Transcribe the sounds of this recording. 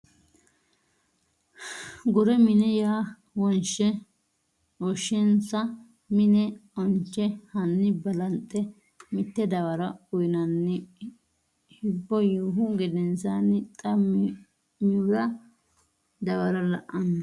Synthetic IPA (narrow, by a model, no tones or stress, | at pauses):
ɡʊɾɛmɪnɛjaː | wɔnt͡ʃːɛ | ɔʃːɛnsɐ | mɪnɛɔnt͡ʃːɛhɐnːɪbɐlɐnt̪ʼːɛ | mɪt̪ːɛd̪ɐwɐɾɐʊjnɐnːɪ | hɪbːɔjuɦʊɡɛd̪ɛnsanɪt̪ʼɐmɪ | ɲuɾɐ | d̪ɐwɐɾɐlɐʔːɐnːɐ